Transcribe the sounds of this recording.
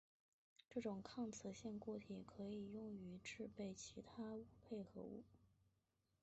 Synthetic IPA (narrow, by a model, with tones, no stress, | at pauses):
ʈ͡ʂɤ˥˩ʈ͡ʂʊ˨˩ŋkʰɑ˥˩ŋt͡sʰɤ˧˥ɕɛ˥˧nkwɔ˥˩t̪ʰi˨˩kʰɤ˧˥i˨˩jʊ˥˩ŋy˧˥ʈ͡ʂɻ̩˥˧pe˥˩ɪt͡ɕʰi˧˥t̪ʰa˥u˥˧pʰe˥˩ɪxɤ̰˧˥ṵ˥˩